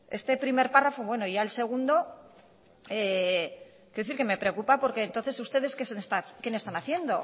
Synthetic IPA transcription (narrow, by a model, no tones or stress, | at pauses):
e̞st̪e̞pɾime̞ɾparafoβwe̞no̞iʝaelse̞ɣ̞und̪o̞ | e | kjeθiɾke̞me̞pɾeokupapo̞ɾke̞ːnt̪oθe̞sust̪e̞ðe̞skesenest̪akenest̪anaθje̞nd̪o̞̰